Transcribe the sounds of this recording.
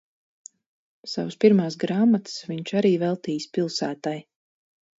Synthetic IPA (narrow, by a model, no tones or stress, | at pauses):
savspiɾmaːsɡɾaːmat̪sviɲt͡ʃaɾiːvɛlˠt̪iːjspʲilˠsæːt̪aj